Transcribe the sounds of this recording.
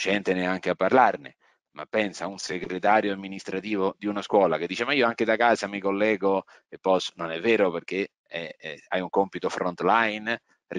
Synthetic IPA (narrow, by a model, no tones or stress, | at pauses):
t͡ʃɛnt̪enɪaŋk̟eapːarlarnɪ̰ | ma̰pːɛnsaunseɡɾet̪aːɾjoamːinist̪ɾat̪iːvod̪iunaskwɔːlaked̪ːit͡ʃemaiːoaŋked̪akaːzamikolːɛːɡo | epːɔsnonɛvːɛːɾoperk̟e | ɛa̰juŋkompit̪ofɾɔnt̪lajn | r